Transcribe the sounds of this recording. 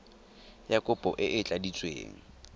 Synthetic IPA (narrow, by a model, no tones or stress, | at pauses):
jakʼʊpʼɔʔɪʔɪt͡ɬʼadit͡sʼwḛːŋ̩